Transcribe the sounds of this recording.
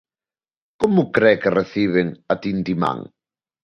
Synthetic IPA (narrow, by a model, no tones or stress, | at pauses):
kɔmukɾɛkereθiβeŋat̪int̪ima̰ŋ